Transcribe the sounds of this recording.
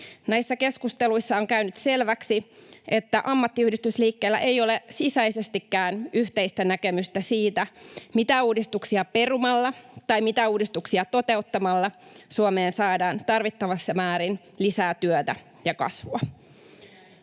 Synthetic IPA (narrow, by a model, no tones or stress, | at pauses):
næisːæke̞skust̪eluisːɑoŋkæynyt̪se̞lʋæksiʔe̞t̪ːæʔɑmːɑt̪ːiyhdist̪ysliːkːeːlːæ̰ʔejo̞lesisæjse̞st̪ikːæːnyht̪e̞ist̪ænækemyst̪æsiːt̪æmit̪æuːdist̪uksiɑpe̞rumɑlːɑt̪ɑjmit̪æuːdist̪uksiɑt̪o̞t̪e̞ut̪ːɑmɑlːɑsuome̞ːnsɑːdɑːnt̪ɑrʋit̪ːɑʋɑsːɑmæːɾin | lisæːt̪yøt̪æ̰ | jɑkɑ̰sʋuɑ